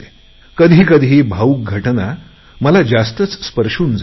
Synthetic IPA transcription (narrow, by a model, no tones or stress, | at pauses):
e̥ | kəd̪ʱiːkəd̪ʱiːbʱauk̚ɡʱəʈna | məlad͡zast̪ət͡sspəɾʂuːnd͡z